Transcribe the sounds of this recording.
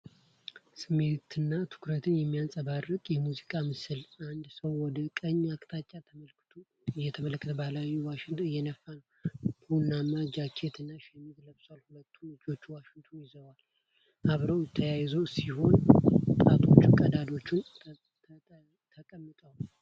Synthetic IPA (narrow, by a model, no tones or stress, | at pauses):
sɨme̞t̪ʰɨnːat̪ʰɨ̥kɾət̪ʰɨnjɛmːijansʼəβarːɨkʼjɛmuzikʼamɨsɨlʔand̪səwːɔd̪əkʼəɲːakʼt̪ʰat͡ʃʼːat̪ʰəməlktʰu | jɛt̪ʰəmələkːət̪ʰəbalajːuwaʃɪŋt̪ʰɨjːɛnəfːanəw | hunːamad͡ʒakʰet̪ɨnːaʃɛmːiɡ̪ləβswalhulət̪ʰːud͡ʒo̞t͡ʃːwaʃɪŋt̪ʰujɪzəwal | ʔaβɾəwt̪ʰəjajzəwsiho̞nt̪ʼat̪ʰo̞t͡ʃːɪnkʼəd̪ad̪o̞t͡ʃːɪn | t̪ʰəkʼəmːɨt̪ʼəwl